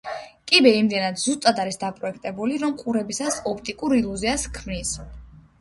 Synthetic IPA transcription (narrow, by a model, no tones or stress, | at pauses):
kʼibɛimd̪ɛnad̪zust̪ʼad̪aɾisd̪apʼɾɔɛkʰt̪ʼɛbuliɾɔmqʼuɾɛbisasɔpʰt̪ʼikʼuɾilˠuziaskʰmnis